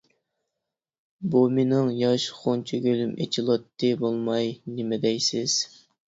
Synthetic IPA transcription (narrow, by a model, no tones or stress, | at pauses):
buminɪŋjɑʃχont͡ʃʰeɡʲølymet͡ʃʰilˠɑt̪ʰːɨbolˠmɑjnɪmɛd̪ɛjsɪz̥